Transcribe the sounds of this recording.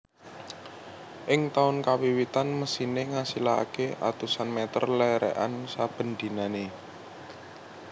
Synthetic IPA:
ʔɪŋt̪aʊnkawiwit̪anməsineŋasila̰keʔa̰t̪usanmɛt̪ə̰rlɛɾɛ̰ʔa̰nsab̥ə̤nd̪̥i̤nane

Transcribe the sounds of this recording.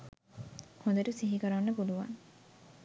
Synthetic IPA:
hõnd̪eʈusiɦikəɾanːəpuluʋa̰ŋ

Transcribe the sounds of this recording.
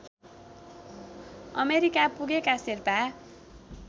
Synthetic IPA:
ʌ̰meɾikapuɡekasirpa

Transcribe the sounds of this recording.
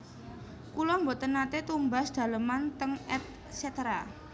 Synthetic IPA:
kulɔmbɔt̪ənat̪et̪umba̤sd̪̥a̤ləmant̪əŋɛt̪̚ | set̪ɾa

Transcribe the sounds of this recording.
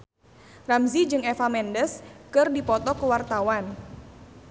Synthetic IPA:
ramzid͡ʒɨŋefamɛndəskɨrdipɔt̪ɔkəwart̪awan

